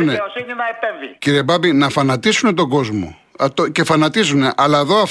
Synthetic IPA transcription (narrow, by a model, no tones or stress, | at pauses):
ne | ciɾiebɐbinɐfɐnɐt̪isune̞t̪o̞ɡo̞zmo̞̰ | t̪oce̞fɐnɐt̪izune̞ʔɐlɐeðo̞ɐf